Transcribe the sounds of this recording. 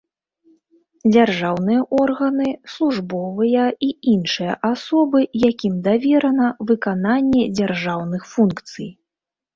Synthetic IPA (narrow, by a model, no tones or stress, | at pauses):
d͡zʲarʐawnɨjɐʔɔrɣɐnɨslˠuʐbɔvɨjɐiinʂɨjɐ̰ʔasɔbɨjakʲimd̪avʲɛɾɐnɐvɨkananʲːɛd͡zʲarʐawnɨxfunkt̪sɨj